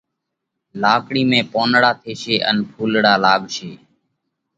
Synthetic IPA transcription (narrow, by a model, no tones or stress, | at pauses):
laːkɽiːmẽːpoːnɽaːt̪ʰeːʃeːʔə̰npʰuːlɽaːlaːɠʃeː